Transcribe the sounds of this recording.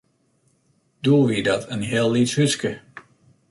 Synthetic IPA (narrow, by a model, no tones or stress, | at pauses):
d̥uəʋidɔtʰənɦɪəlˠːithyskə